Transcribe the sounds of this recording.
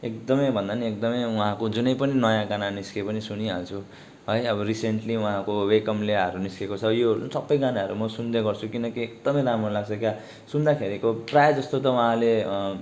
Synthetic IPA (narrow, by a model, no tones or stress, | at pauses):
ek̚d̪ʌmʌjbʱʌnd̪aniekd̪ʌmʌjuɦãkod͡zunʌjpʌninʌjãɡananiskepʌnisuniɦa̰lt͡sʰu | ɦʌjʌbʌriseɳʈliuɦãkowekʌmleʌɾuniskekot͡sʰʌjoɦɾusʰʌpːʌ̃jɡanaʌɾumʌsund̪eɡʌrt͡sʰukinʌkiek̚d̪ʌmʌjɾamɾolaɡt͡sʰʌkja | sund̪akʰeɾikoprajd͡zʌst̪ot̪ʌuɦãle